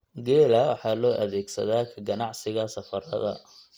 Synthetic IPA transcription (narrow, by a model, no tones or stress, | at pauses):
ɡɛːlɐwɑħɑːlɔːʔɐðɛːɡsɐðaːkʰɐɡɐnɑʕsɪɣɐsɐfɐɾɐ̰ðɐ̰